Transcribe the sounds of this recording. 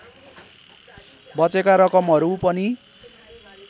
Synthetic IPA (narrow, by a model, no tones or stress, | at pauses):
bʌt͡sekaɾʌkʌmɦʌɾupʌni